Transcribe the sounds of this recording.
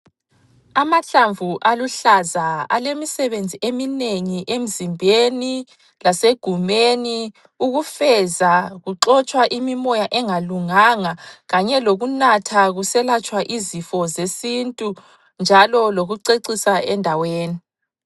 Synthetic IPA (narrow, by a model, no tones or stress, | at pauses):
amaɬaɱvuʔaluɬazaa̰lemisɛβend͡zʱiʔemineŋiʔem̩zimbʱeni | laseɡ̥ʱumeni | uɣufɛzaɣuǁɔt͡ʃʼwaʔimimɔjaʔɛŋaluŋaŋaɣaɲɛloɣunatʰaɣusɛlat͡ʃʼwaʔizifɔzesintʼu | nd͡ʒʱalɔloɣuǀeǀisaɛndʱaweːni